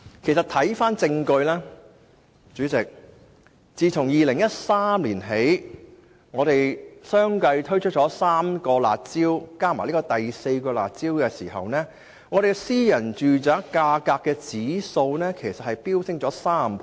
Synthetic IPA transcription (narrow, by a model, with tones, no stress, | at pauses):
kʰe˨˩jsɐ˨t̪ʰɐ˨˥jfaː˥nt͡sɪ˧ŋkɵ˧ɥlɛː˥ | t͡ʃyː˨˥t͡sɪ˨k̚ | t͡siː˨t͡sʰʊ˨˩ŋjiː˨lɪ˨˩ŋjɐ˥t̚saː˥mliː˨˩nɦe˨˥j | ŋɔː˨˧ɾe˨jsœː˥ŋkɐ˧jt̪ʰɵ˥ɥt͡ʃʰɵ˥t̚t͡ʃɔː˨˥saː˥mkɔː˧la̰ː˨t̚t͡siː˥wkaː˥ma̰ː˨˩liː˥kɔː˧t̪ɐ˨jse˧jkɔː˧la̰ː˨t̚t͡siː˥wkɛː˧sḭː˨˩ɦɐ̰˨wnɛː˥ | ŋɔː˨˧ɾe˨jɡɛ˥siː˥jɐ˨˩nt͡ʃyː˨t͡saː˨˥kaː˧kaː˧kːɛː˧t͡siː˨˥so˧wnɛː˥kʰe˨˩jsɐ˨t̚hɐ˨jpiː˥wsɪ˥ŋt͡ʃɔː˨˥saː˥mpʰ